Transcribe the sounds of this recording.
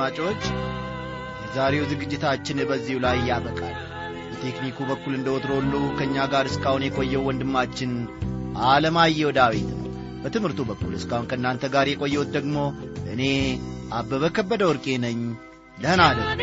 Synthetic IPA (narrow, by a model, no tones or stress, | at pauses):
at͡ʃʼo̞t͡ʃː | jɛzaɾe̞wzɨɡɨd͡ʒːɪt̪ʰat͡ʃːɪnbəzːihulajjabəkʼa̰l | bət̪ʰe̞knikʰubəkːulɨnd̪əwɔt̪ɾolːuwkʰəɨɲːaɡaɾɨskahunjɛkʼo̞jːɛwwɔnd̪ɨmːat͡ʃːɪnʔaləmajːɛwɔd̪awet̪nə̰ww | bət̪ʰɨmhɨɾt̪ʰubəkːulɨskahunkʰəɨnːant̪ʰəɡaɾjɛkʼo̞jːɛwut̪̚d̪əɡmo̞ʔɨne̞ʔabːəβəkʰəbːəd̪əwɔɾkʼe̞nəɲː | ləhənad̪ə